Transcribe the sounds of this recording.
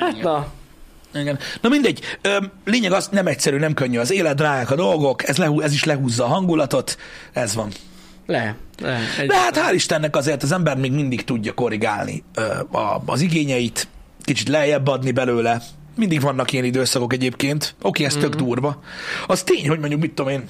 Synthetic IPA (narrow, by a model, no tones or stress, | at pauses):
ha | iɡɛnnɒmind̪ɛɟːøːleːɲɛɡɒzsnɛmɛcsɛɾyːnɛmkøɲːyɒzeːlɛt̪̚raːjaːkɒd̪o̞lɡo̞kɛzlɛɦuɛziʃlɛɦuːzːɒːɦɒŋɡulɒt̪o̞t̪ɛzʋɒn | lɛ | d̪ɛɦat̪haːliʃt̪ɛnːɛkɒzeːrt̪ɒzɛmbɛrt̪meːɡmind̪ikt̪uɟːɒko̞ɾiɡa̰ːlnḭø̰ːɒ̰ziɡeːɲɛjit̪ | kit͡ʃit̪lɛɦɛjɛbːɛɒd̪nibɛløːlɛ | mind̪iɡʋɒnːɒkijɛnid̪øːsɒko̞kɛɟeːpkeːnt̪o̞keːɛst̪ø̞ɡd̪uːrvɒɒst̪eːɲho̞ɟmo̞ɲɟukmit̪ːomeːn